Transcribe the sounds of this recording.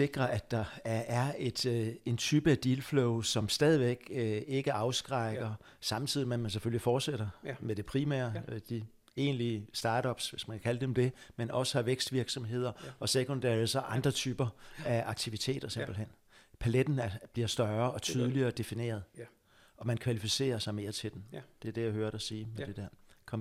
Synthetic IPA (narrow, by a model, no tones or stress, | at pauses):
se̝ɡ̥ʁɐʔæd̥ɑ̈æɐæɐe̝d̥e̝nt͡sʰyːb̥əæd̥ilfloʊsɒ̽msd̥ɛːð̞ˠiʋeɡ̥e̝ɡ̥əʔɑ̈ʊsɡ̥ʁɑ̈ɪɡ̥ɐ | sɑ̈m̩t͡sʰið̰ˠimenmænse̥følifɒːd̥seɾ̥ɐmed̥e̝pʰʁimæ̰ɐd̥i | e̝̰ːnliəsd̥ɑ̈ːɾ̥ɒ̽b̥sʋe̝smænkʰæ̥kʰæləd̥emd̥e̝menɒ̽sə̥hɑ̈ʋeɡ̥sd̥ʋiɐɡ̥sɒ̽mɦe̝ð̰ˠɐʔɒ̽sekʰond̥æ̰ːɐesɒʔɑ̈nd̥ʁɐt͡sʰyːb̥ɐæɑ̈ɡ̥̚t͡sʰiʋit͡sʰe̝̰ːd̥ɐse̝mb̥l̩ɦen̰ | pʰæled̥n̩æɐb̥liɐsd̥ɶɐɒ̽t͡sʰyːð̞ˠliɐːd̥e̝fine̝̰ːɐð̞̩ˠ | ʔɒ̽mænkʰʋælifise̝̰ːɐsɑ̈ɪme̝ːɐt͡sʰe̝d̥end̥e̝æɐd̥e̝jaɪhøːɐdɒsiːmed̥e̝d̥æɐ̰kʰɒ̽m